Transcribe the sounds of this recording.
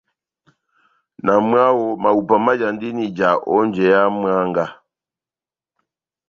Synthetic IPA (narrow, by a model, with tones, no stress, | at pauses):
na˨m˦a˦wɔ˦ma˨u˨pa˨ma˦d͡ʒa˨ndi˦ni˨d͡ʒa˨ʔɔ˦n˦d͡ʒɛ˨ja˦m˦a˦ŋɡa˦